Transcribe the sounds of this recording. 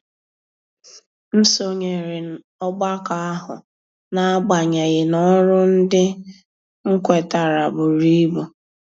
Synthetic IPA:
n̩˦so˨ɲe˨ɾɪ˨n̩˨ | ɔ˦ɡ͡ba˦ka˨a˦ɦʊ̰˨ | na˨a˦ɡ͡ba˨ɲa˨ɣɪ˨nɔ˦ɾʊ˦n̩˦dɪ˦ | ŋ̩˦kʷe˨ta˨ɾa˨bʊ˨ɾi˦bu˨

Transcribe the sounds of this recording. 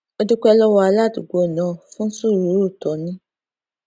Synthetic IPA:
o˦di˦kʷɛ˧lɔ˦wɔ˧a˧la˦˨du˨ɡo˨nã˨fũ˦n̩˦su˦˨ɾu˨˦ɾu˦˨tɔ˨nĩ˦

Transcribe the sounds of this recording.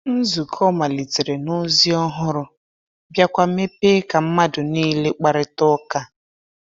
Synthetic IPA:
n̩˦zu˨kʰɔ˦ma˨li˨ti˨ɾe˨nʊ˦zi˦ɔ˦ɦʊ˦ɾʊ˦ | bja˦kʷa˦me˦pe˦ka˨m̩˦ma˦dʊ˨niː˦le˦k͡pa˨ɾɪ˦tɔ˦ka˦

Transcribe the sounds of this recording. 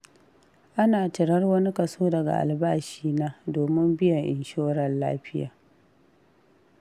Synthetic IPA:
ʔa˦naː˨tɪ˨ɾɐ˦rwɐ˦ni˦kɐ˨soː˦dɐ˨ɡa̰˨ʔa̰˨lbaː˦ʃiː˦naː˦doː˨mɪ˦mbɪ˦jɐ˨ʔɪ̰˨nʃoː˦ɾɐ˨nla̰ː˦ɸɪ˦ja̰ː˨

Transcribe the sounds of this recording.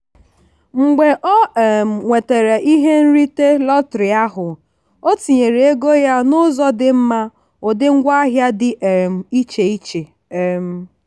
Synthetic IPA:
ŋ͡m̩˨ɡ͡be˨ʔɔ˦˨ŋʷe˨te˨ɾe˨ʔi˦ɦe˦n̩˦ɾi˦te˦lɔ˦tɾɪ˨a˦ɦʊ˨ | o˦ti˨ɲe˨ɾe˨e˦ɡo˦ja˦nʊ˦zɔ˦dɪ˦m̩˦ma˦ | ʊ˨dɪ˦ŋ̩˦ɡʷa˦a˦ɦja˦dɪ˨ʔe˨m̩˨i˦t͡ʃe˨i˦t͡ʃe˨ | e˨m̩˦

